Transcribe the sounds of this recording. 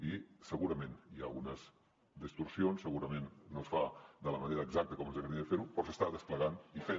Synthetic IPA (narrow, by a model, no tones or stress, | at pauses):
isəɣuɾəmẽnia̰lˠɣunəz | d̪əst̪uɾsionsːəɣuɾəmenːosfad̪ələməneɾəːɡzak̚t̪əkɔmənzəɣɾifeɾupɾɔsəst̪aðəspləɣanife